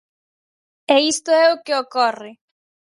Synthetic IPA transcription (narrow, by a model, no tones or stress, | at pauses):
eist̪oɛokeokɔrɪ